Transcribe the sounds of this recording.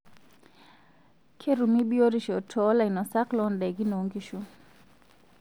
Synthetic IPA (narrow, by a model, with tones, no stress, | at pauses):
kʰe˦ɾu˨mi˦bjo˦ɾi˦ʃɔ˨tʰɔ˨˦la˨i˨nɔ˨sa˦klɔ˦ndɛ˨ɡi˦no˨ŋɡi˦ʃu˦